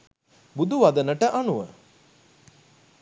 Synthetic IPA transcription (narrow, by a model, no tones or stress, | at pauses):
bud̪uʋad̪ənəʈəʔanuʋə̰